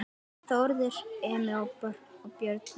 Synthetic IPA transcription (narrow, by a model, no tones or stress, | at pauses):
θowɾðɪɾ̥ɛːmɪɔwpœɾnɔɣpjœɾt̪n